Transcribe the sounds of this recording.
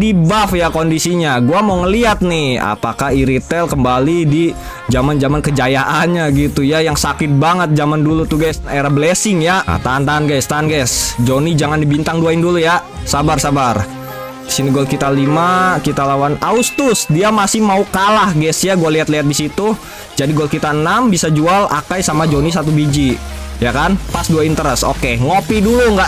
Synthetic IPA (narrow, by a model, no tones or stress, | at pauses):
dibafjakondisiɲaɡuamauŋəliat̪̚nɪha̰pakahiɾit̪ɛlkəmbalidi | d͡ʒamand͡ʒamankəd͡ʒajaʔanɲaɡit̪ujajaŋsakɪt̪̚baŋət̪̚d͡ʒamandulut̪uɡajsnaeɾabəlesɪŋjaa̰t̪ant̪anɡajst̪anɡajsd͡ʒonid͡ʒaŋandibint̪aŋduaɪnduluja | sabarsabar | disiniɡɔlkit̪alimakit̪alawanaust̪ʊsdiamasɪhmaukalahɡɛsjaɡualiɦat̪liɦat̪̚disit̪u | d͡ʒadiɡɔlkit̪aənambisad͡ʒuala̰kajsamad͡ʒonisat̪̬ubid͡ʒijakanpasduaint̪əɾɛso̰keŋopiduluŋɡa